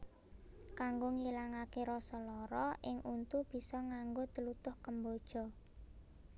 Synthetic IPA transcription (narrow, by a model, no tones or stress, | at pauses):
kaŋɡoŋilaŋakeɾɔsɔlɔɾɔʔɪŋʔunt̪ub̥i̤sɔŋaŋɡot̪əlut̪ʊhkəmbod̥ʒ̥ɔ̤